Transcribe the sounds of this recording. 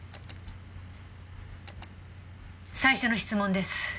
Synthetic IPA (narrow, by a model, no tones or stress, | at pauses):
saiɕo̞no̞çi̥t͡sɨmõ̞nd̪e̞sɨ̥